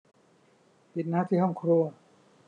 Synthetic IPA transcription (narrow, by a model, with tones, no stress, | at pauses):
pi˨˩t̪̚naː˥˩t̪ʰiː˥˩ɦɔ˥˩ŋkʰɾu˧ɐ